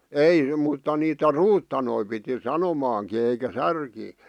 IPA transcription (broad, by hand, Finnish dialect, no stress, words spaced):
ei mutːɑ niːtæ ruːtːɑnoi piti sɑnomɑːŋki eikæ særkiː